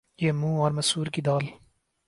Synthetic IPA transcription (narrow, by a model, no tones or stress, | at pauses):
jeːmuːɔːɾmɐsuːɾkid̪aːl